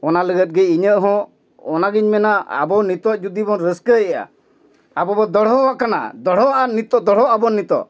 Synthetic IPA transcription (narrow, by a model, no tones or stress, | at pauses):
ɔnaləɡət̪̚ɡɛiɲəʔɦɔ̃ | ɔnaɡiɲmɛnaa̰bɔnit̪ɔd͡ʒud̪ibɔnɾəskəɛɛja̰ | abɔbɔd̪ɔɽ̤ɔwaʔkana̰d̪ɔɽ̤ɔʔanit̪ɔd̪ɔɽɔʔabɔnːit̪ɔ̰